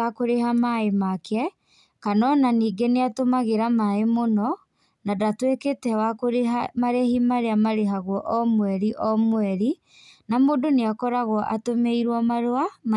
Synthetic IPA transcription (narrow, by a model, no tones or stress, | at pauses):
akoɾehamaemakɛ | kanɔnaniːɡeneatomaɣeɾamaemonɔ | nadatweketɛwakoɾeamaɾehimaɾeamaɾeɦaɣwɔʔɔmwɛɾiʔɔmwɛɾi | namoːdoneakɔɾaɣɔʔatomeiɾwɔmaɾoama